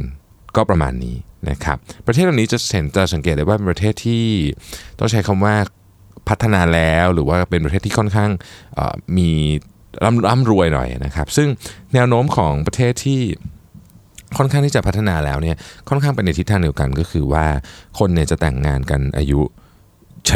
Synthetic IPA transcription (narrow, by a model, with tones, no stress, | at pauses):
kɔː˥˩pɾa˧ma̰ː˧nːḭː˦˥na̰˦˥kʰa̰˦˥p̚ːɾʰe˥˩t̪̚la˨˩niː˦˥t͡ɕa˨˩se˩˦nt͡ɕa˨˩sa˨˩˦ŋkeː˨˩t̪̚da˧waː˥˩e˧npɾa˧t̪ʰeː˥˩t̪ʰːiː˥˩t̪ɔ˥˩ŋt͡ɕʰa˦˥jkʰa˧mwaː˥˩ | pʰa˦˥t̪ʰːa˧naː˧lɛː˦˥wɾɯː˩˦waː˥˩pe˧np̬a˧tʰe˥˩t̪ʰiː˥kʰɔ˥˩nkʰaː˥˩ŋʔə̰ː˨˩miː˧ | ɾʔa˦˥mla˦˥mɾu˧əjnɔ̰˨˩jʔa̰˨˩na˦˥kʰa˦˥p̚sɯ˥˩ŋnɛː˦˥wnoː˦˥mkʰɔː˩˦ŋpɾa˧t̪ʰeː˥˩t̪ʰːiː˥˩ | kʰɔ˥˩nkʰa˥˩ŋt̪iː˥˩t͡ɕa˨˩pʰt̪ʰːa˧naː˧lɛ̰ː˦˥wni˥˩ɐkʰɔ˥˩nkʰaː˥˩ŋpe˧na˧jt̪i˦˥t̪ʰːaː˧ŋdi˧əwka˧nkɔː˥˩kʰɯː˧waː˥˩kʰo˧nːi˥˩ɐt͡ɕa˨˩t̪ɛ˨˩ŋːaː˧nka̰˧nʔa̰ː˧ju˦˥ | t͡ɕʰ